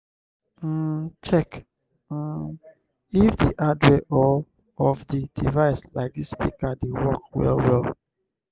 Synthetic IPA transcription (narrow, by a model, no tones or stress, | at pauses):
t͡ʃɛk̩ | ifdiʔadɹɛʔɔ | ɔfdidivaɪslaɪk̚dispḭkadewɔkwɛ̰lwɛlˠ